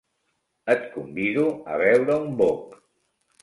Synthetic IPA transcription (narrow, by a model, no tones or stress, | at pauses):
ət̪kumbiðuə̰βɛwɾəumbok